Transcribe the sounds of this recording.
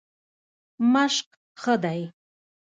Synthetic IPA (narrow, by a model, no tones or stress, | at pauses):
maʂqʼ | χəd̪aj